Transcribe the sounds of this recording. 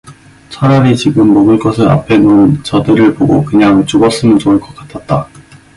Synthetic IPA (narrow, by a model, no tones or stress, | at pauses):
t͡ɕʰʌɾʌɾit͡ɕiɡɯmːʌɡɯɭk͈ʌsʰɯɾa̰pʰe̞nont͡ɕʌdɯɾɯɭpoɡokɯɲaŋt͡ɕ͈uɡʌs͈ɯnɯnd͡ʑoŋɯɭk͈ʌk͈ḁtʰat̚t͈a